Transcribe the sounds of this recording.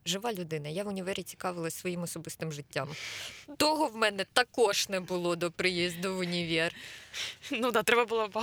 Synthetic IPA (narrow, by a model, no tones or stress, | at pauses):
ʒɪʋɑlʲʊd̪ɪnɐjaʋʊnʲɪʋɛɾʲit͡sʲi̥kɑʋɪlˠɐsʲʋɔjimɔsɔbɪst̪ɪmʒɪtʲːamt̪ɔɦɔwmɛnɛt̪ɐkɔʃnɛbʊlˠɔd̪ɔpɾɪjizʲd̪ʊʋʊnʲiʋʲir | nud̪ɑt̪ɾɛbɐbʊlˠɔb